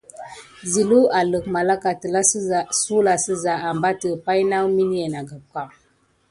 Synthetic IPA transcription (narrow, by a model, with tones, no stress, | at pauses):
zi˨lu˦a˨lə˨kma˨la˦ka˨tə˨la˦˨su˦la˨sə˦za˨a˨mba˦tə˨pa˦jna˦wmi˦n˦je˨na˨ɡa˨b̚ka˨